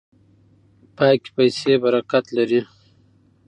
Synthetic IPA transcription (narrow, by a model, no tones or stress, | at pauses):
pɑːjki̥pajsebaɾakat̪laɾi